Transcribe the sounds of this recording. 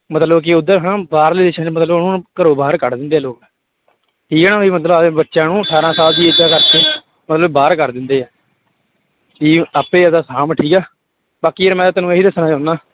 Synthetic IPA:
mət̪ləbk̬ɪʊd̪ːəɾɦãːbaːɾliːd̪ɪʃãːmət̪ləbnũːkəɾoːbaːɾkəɾd̪ɪ̃nd̪eːɛːloːkː | ʈʰiːkːnãːʋiːmət̪ləbətːʃãːnũːsaːɾãːsaːld̪iːeːd͡ʒaːkəɾkeː | mət̪ləbbaːɾkəɾd̪ɪnd̪eːɛː | iːaːpeːəd̪aːsaːmʈʰiːkɛː | baːkiːəɾmɛ̃ːt̪ːeːnũːeɦiːd̪əsnãːt͡ʃaːnaː

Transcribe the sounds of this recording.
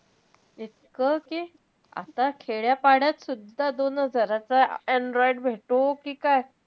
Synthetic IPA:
it̪kəki | a̰t̪akʰeɭjapaɽjat̪sud̪ʱːad̪onəd͡zʱəɾat͡saɛɳɖɾɔiɖbʱeʈokiːkaj

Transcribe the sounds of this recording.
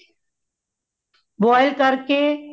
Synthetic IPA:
bɔːɪlkəɾkeː

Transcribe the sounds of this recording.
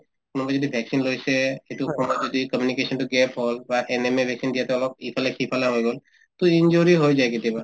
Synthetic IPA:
kunɔbad͡ʒɔd̪ibʱɛksinlojseeʈ̪ukonbɔd͡ʒɔd̪ikəmjunikesənʈuɡɛpɦɔlbaʔenemebʱɛksind̪ijat̪ɛɔlɔɡ̚ipʰalekʰipʰalaɦojɡɔl | t̪uiɲd͡ʒoɾiɦojd͡ʒaeɡit̪iba

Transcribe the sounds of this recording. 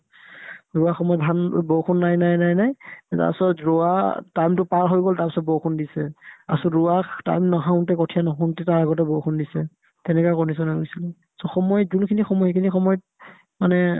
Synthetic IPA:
ɹuaxɔmɔjɔbʱanbowkʰunːajnajnajnajta̰ɹpɛsɔtɹɔatajmtʊpaɹɦojɡɔltaɹpɛ̥sɔt̚bɔkʰundisɛa̰sɔɹuakta̰jmnɔɦaʊ̃ntɛkɔtʰijanɔxʰɔntɛtaɹaɡɔt̬ɛbɔwkʰundisɛ | tɛnɛkakɔnis̬ɔnanisilɛ | sɔxɔmɔjzunkʰinixɔmɔjhekʰinixɔmɔjɔt̚ | manɛ

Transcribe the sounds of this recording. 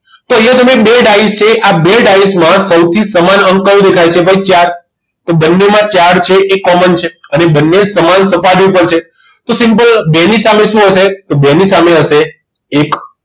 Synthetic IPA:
t̪oeot̪əmebeɖaist͡ʃʰeʔabeɖaismãsəwt̪ʰisəmanəŋkəʋd̪ekʰajt͡ʃʰebʱajt͡ʃaɾ | t̪obənːemãt͡ʃaɽt͡ʃʰeʔːkːɔmənt͡ʃʰeənebənːesəmansəpaɾiupəɾt͡ʃʰe | t̪osɪmpəlbenisameʃũɦəʃet̪obenisameɦəʃeː | k

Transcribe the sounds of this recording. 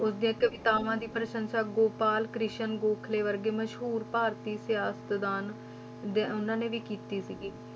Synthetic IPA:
ʊsd̪ɪjãːkəʋɪt̪aːʋãːd̪iːpɾəʃənʃaːɡoːpaːlkɾɪʃənɡoːkʰleːʋəɾɡeːməʃɦuːɾpaːɾt̪iːsɪjaːsə̥t̪d̪aːn | d̪eʊnãːnẽːʋiːkiːt̪iːsiɡiː

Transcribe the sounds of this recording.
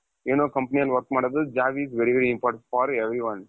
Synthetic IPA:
enoːkɐ̃mpɐnijɐlʋɐɾkmaːɽod̪ud͡ʒaːʋiːzʋeɾiʋeɾiimpɔːɾʈẽɳʈ̚fɔːɾeʋɾiʋɐ̃n

